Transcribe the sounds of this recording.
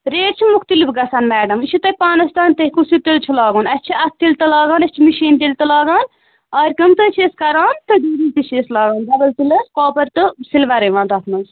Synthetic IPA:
ɾeːʈt͡ʃʰimukt̪ɨlifɡɐsaːnmæːɖɐmiʃʰut̪ɐpaːnɐst̪aːnt̪ɐɦkusit̪ilt͡ʃʰulaːɡɐːnɐst͡ʃʰiɐt̪ʰt̪ːilt̪ɐlaːɡaːnɐsʲt͡ʃʰimiʃiːnt̪ilt̪ɐlaːɡaːn | ɐːɾʲkɐmt̪ɨt͡ʃʰeːskɐɾaːnt̪ɨɖuːɾiːt̪iʃʰeːslaːɡɐːnd̪ɐbɐlt̪ilɐskoːpɐɾt̪ɨsilʋɐɾɐʋãːnt̪ɐt̪ʰmɐnz

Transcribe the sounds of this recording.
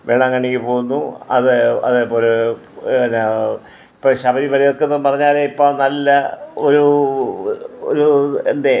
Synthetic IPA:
ʋeːɳaŋːaɳikʲːipoːɣunːuɐ̰ðɨɐ̰ðepːolɾ | n | ipːoːɕɐbɐɾiʋɐlɐjo̞kːenːɨmpɐrɐɲːaːleipːoːɭnɐlːɐoɾu | o̰ɾuend̪e

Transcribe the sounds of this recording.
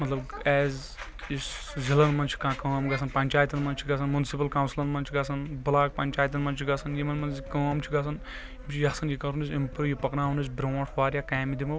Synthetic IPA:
mɐt̪lɐbɛːz | is | zilɐnmɐnt͡ʃʰi̥kãːkɐːmɡɐsʰɐnpɐnʲt͡ʃaːjt̪ɐnmɐnt͡ʃʰiɡɐsʰɐnmunsipɐlkawnslɐnmɐnt͡ʃʰiɡɐsʰɐnbɐlaːkpɐnʲt͡ʃaːjt̪̬ɐnmɐnt͡ʃʰiɡɐsɐnjimɐnmɐnkəːmt͡ʃʰiɡɐsʰɐn | imt͡ʃʰijasɐnjikɐɾunisimpɾujipɐknaːɦunisbɾoːʈʰʋaːɾʲjakaːmid̪imɐ

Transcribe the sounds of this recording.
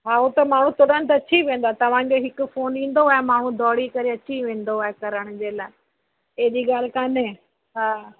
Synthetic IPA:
ɦaːot̪ɐmaːɳ̤ũt̪ʊɗə̃nt̪ɐɐt͡ɕʰiʋẽːn̆d̪at̪ɐʋ̤ãkoɦɪkʊfoːnĩːn̆d̪oaːɦemaːɳ̤ũd̪ʱɔːɽikɐɾeɐt͡ɕiʋẽːn̆d̪oaːekɐɾəɽ̃d͡ʑeːlaːɪ | eɦd͡ʑiːɠaːl̤ɪkãːnẽ | ɦaː

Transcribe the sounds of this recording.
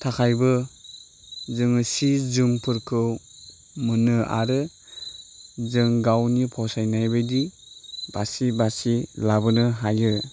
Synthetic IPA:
tʰakʰajbɯ | zɯŋɯsizɯmpʰɯɾkʰɯw | mɯnɯa̰ɾɯ | zɯŋɡawnipʰɔsajnajbɯjdi | basibasilabɯnɯɦajɯ

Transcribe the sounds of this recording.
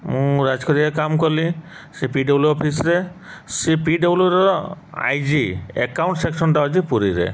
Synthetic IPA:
mũɾad͡ʒkɔɾiɾekamkɔli | sepiɖɔbluɔpʰisɾe | sipiɖɔbluɾɔa̰jd͡ʒiḛkawɳʈseksɔnʈaɔd͡ʒipuɾiɾḛ

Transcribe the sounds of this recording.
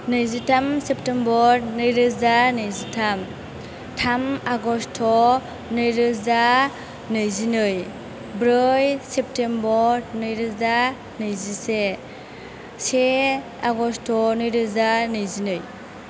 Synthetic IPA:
nɯjzitʰamsep̚tembɔɾnɯjɾɯzanɯjzitʰam | tʰamaɡɔstʰɔ | nɯjɾɯza | nɯjzinɯj | bɾɯjsep̚tʰembɔɾnɯjɾɯza | nɯjzise | se | aɡɔstʰɔnɯjɾɯzanɯjzinɯj

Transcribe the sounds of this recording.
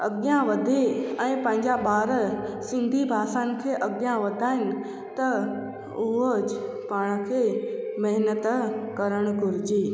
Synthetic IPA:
ɐ̰ɡjãʋɐd̪ʱeɛ̃ːpɐ̃ɦɪ̃ɲd͡ʑaɓaːɾsɪ̃nd̪ʱibʱaːsaːnɪ̆kʰeːʔɐɡjãʋɐd̪ʱaːɦɪnɪ̆ | t̪ɐ | ʊɦod͡ʑ | paːɽ̃kʰeːmɐɦɪnət̪kɐɾəɽ̃ʊkʊɾɪd͡ʑiː

